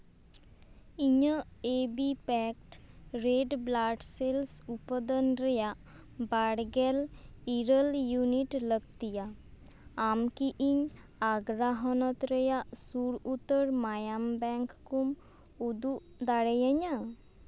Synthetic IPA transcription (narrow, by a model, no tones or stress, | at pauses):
iɲəeːbipɛk̚ʈɾeːɖblaːʈselsupəd̪ənɾəjaʔ | baːɽɡɛliɾəljuniʈləɡt̪ija | amkiʔiɲ | aːɡɾaɦɔnət̪ɾəjaʔsuɾut̪ːəɾmaːjambɛ̃ːŋkːum | ud̪u | d̪aɽəjəɲa